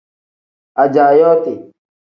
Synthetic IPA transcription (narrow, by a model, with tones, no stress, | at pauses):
a˨d͡ʒaː˨jɔː˦t̪e˨